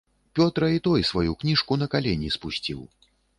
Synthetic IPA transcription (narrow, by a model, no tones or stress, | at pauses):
pʲɔt̪ɾɐit̪ɔjsvajuknʲiʂkunɐkalʲenʲispusʲt͡sʲḭw